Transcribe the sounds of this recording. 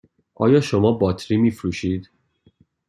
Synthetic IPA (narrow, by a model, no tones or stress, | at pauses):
ʔɒ̰ːjɒːʃomɒːbɒːt̪ʰɾiːmiːfɾuːʃiːd̪̥